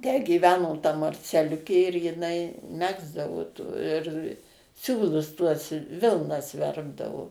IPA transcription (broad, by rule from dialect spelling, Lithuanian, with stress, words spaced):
tʲæː ɡʲiːˈʋʲæːnoː tɐ mɐrʲt͡sʲɛˈlʲʊkʲeː ɪr jɪˈnɐɪ ˈmʲæːɡzdɐʋoː tuː ɪr ˈsʲuːlˠʊs tuɔs ˈʋʲɪlˠnɐs ˈʋʲɛrbdɐʋoː